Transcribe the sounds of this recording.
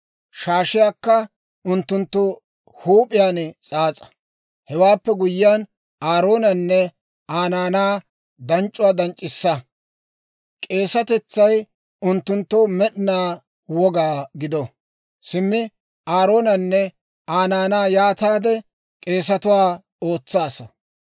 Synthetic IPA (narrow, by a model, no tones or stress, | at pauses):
ʃaːʃɪjaːkːɐ | ʊnt̪ːʊnt̪ːʊ | huːpʼɪjaːnt͡sʼaːt͡sʼɐ̥ | hɛwaːpːɛɡʊjːɪjan | aːɾo̞ːnɐnːɛ | aːnaːnaː | d̪ɐnt͡ʃʼʊwaːd̪ɐnt͡ʃʼːɪsːɐ | kʼe̞ːsɐt̪ɛt͡sːɐj | ʊnt̪ːʊnt̪ːʊmɛɗɪnaː | wɔɡaːɡɪd̪ɔ | sɪmːɪ | aːɾo̞ːnɐnːɛ | aːnaːnaːjaːt̪aːd̪ɛ | kʼe̞ːs̬ɐt̪ʊwaː | o̞ːt͡sːaːsɐ